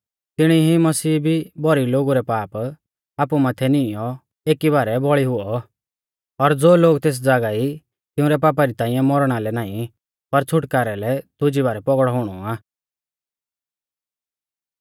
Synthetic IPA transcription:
t̪ɪɽ̃iɦimɐsiːbʱibɔɾiloːɡuɾɛpaːp | aːpumaːt̪ʰɛnɪjɔ | eːkibaːɾɛbɔɭiɦʊɔ | ɔɾd͡zoːloːɡt̪eːs̬d͡zaːɡai | t̪ɪ̃ʊ̃ɾɛpaːp̬aɾit̪ãːĩjɛ̃mɔɾɽ̃alɛnaːĩ | pɐɾt͡sʰʊʈkaːɾɛlɛt̪ʊd͡ʒibaːɾɛpɔɡɽɔɦʊɽ̃ɔaː

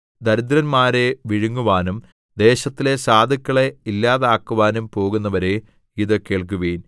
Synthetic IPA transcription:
d̪ɐɾud̪ɾɐnmaːɾe̞ʋiɻuŋːuʋaːnum | d̪e̞ːɕɐt̪ːile̞saːd̪ʱɐkʲːɐɭe̞ilːaːðaːkːuʋaːnumpo̞ːɣunːɐʋɐɾe̞ | iðɨke̞ːɭk̬uʋeːjn

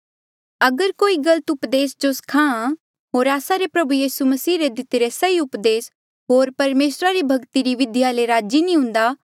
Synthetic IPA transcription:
ɐɡəɾkoːiɡɐlət̪ʊpd̪eːsd͡ʒoskʰãːã | ɦoːɾaːsaɾepɾɐbujiːsumɐsiːɾed̪ɪt̪eɾesɐiʊpd̪eːs | ɦoːɾpɐɾmeːsɾaɾibʱɐɡt̪iɾiʋɪd̪jaleɾaːd͡ʒinĩɦʊ̃nd̪aː

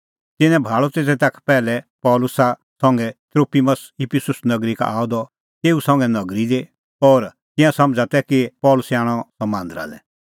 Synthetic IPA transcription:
t̪ɪnɛ̃bʱaːɭɔt̪eːt̪ɛt̪akʰpɛːlɛpɔːlʊsa | sɔ̃ŋɡɛt̪ɾoːpʰiməsɪpʰɪsʊsnɐɡɾika̰a̰ːɔd̪ɔ | t̪eːusɐ̃ŋɡɛnɐɡɾid̪e | ɔːɾ | t̪ɪ̃jãsɐ̃md͡ʒat̪ɛkipɔːlʊsɛaːɽ̃ɔsɐmãːnd̪əɾa̰lɛ̰

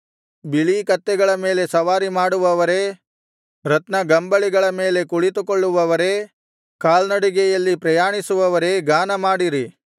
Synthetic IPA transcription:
biɭikɐt̪ːɛɡɐɭɐme̞ːle̞sɐʋaːɾimaːɽuʋɐʋɐɾe̞ | ɾɐt̪nɐɡɐmbɐɭiɡɐɭɐme̞ːle̞kuɭit̪ukoɭːuʋɐʋɐɾe̞ | kaːlnɐɽiɡɛjɐlːipɾɐjaːɳisuʋɐʋɐɾe̞ɡaːnɐmaːɽiɾi

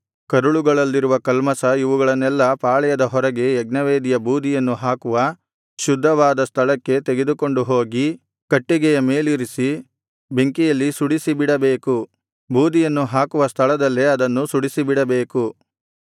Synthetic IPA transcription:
kɐɾuɭuɡɐɭɐlːiɾuʋɐkɐlmɐsɐiʋuɡɐɭɐnːɛlːɐpaːɭɛjɐd̪ɐɦɔɾɐɡe̞ːɡnɐʋeːd̪ijɐbuːd̪ijɐnːuɦaːkuʋɐ | ʃud̪ʱːɐʋaːd̪ɐst̪ʰɐɭɐkːe̞t̪eɡe̞d̪uko̞ɳɖuɦoːɡi | kɐʈːiɡɛjɐme̞ːliɾisi | be̞ŋkijɐlːisuɽisibiɽɐbeːku | buːd̪ijɐnːuɦaːkuʋɐst̪ʰɐɭɐd̪ɐlːeɐd̪ɐnːusuɽisibiɽɐbe̞ːku

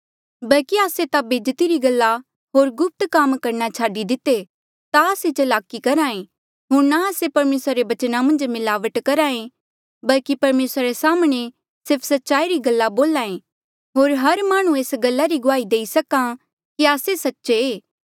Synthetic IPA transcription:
bɐlkiaːset̪abeːd͡ʒt̪iɾiɡɐlːa | ɦoːɾɡʊp̚t̪kaːmkɐɾnat͡ʃʰaːɖid̪ɪt̪e | t̪aːset͡ʃɐlaːkikɐɾaːẽ | ɦoːɾnaaːsepɐɾmeːsɾaɾebɐt͡ʃnamɐ̃nd͡ʒmɪlaːʋəʈkɐɾaːẽ | bɐlkipɐɾmeːsɾaɾesaːmɽ̃e | sɪɾpʰsɐtːʃaːiɾiɡɐlːaboːlãːẽ | ɦoːɾɦɐɾmaːɽ̃ũeːsɡɐlːaɾiɡʊaːid̪eːisɐkã | kiaːsesɐtːʃeː

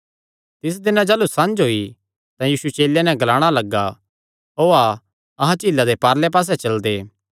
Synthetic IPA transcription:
t̪ɪs̬d̪ɪnãd͡ʒɐːlusɐ̃nd͡ʒɦoːi | t̪ãjiːsuet͡ʃeːljanɛ̃ɡɐlaːɽ̃alɐɡːa | oːa | ɐɦãt͡ʃiːlːad̪epaːɾlɛp̬aːs̬ɛt͡ʃɐld̪eː

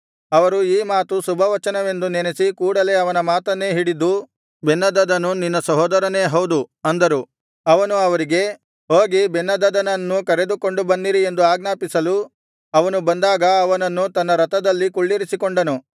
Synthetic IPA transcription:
ɐʋɐɾuiːmaːt̪usubʱɐʋɐt͡ʃɐnɐʋe̞nd̪unenesikuːɽɐle̞ːɐʋɐnɐmaːt̪ɐnːe̞ɦiɽid̪ːu | bɛnːɐd̪ɐd̪ɐnːuninːɐsɐɦɔːd̪ɐɾɐne̞ːɦɐwd̪uɐnd̪ɐɾu | ɐʋɐnuɐʋɐɾiɡe̞ | ɦoːɡibenːɐd̪ɐd̪ɐnɐnːukɐɾe̞d̪uko̞ɳɖubɐnːiɾie̞nd̪uaːɡnaːpisɐlu | ɐʋɐnubɐnd̪aːɡɐɐʋɐnɐnːut̪ɐnːɐɾɐt̪ɐd̪ɐlːikuɭːiɾisikoɳɖɐnu

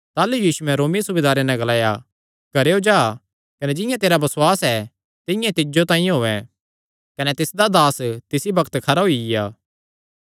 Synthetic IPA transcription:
t̪aːlujiːsuɛ̃ɾoːmisʊbed̪aːɾenɛ̃ɡɐlaːja | ɡ̥ɐɾeod͡ʒaː | kɐnɛd͡ʒɪ̃jãt̪eːɾabɐswaːsɛ | t̪ɪ̃jãt̪ɪd͡ʒot̪ãːĩɦoːɛ̃ | kɐnɛt̪ɪsd̪ad̪aːst̪ɪsibɐkʰt̪kʰɐɾaɦuijaː

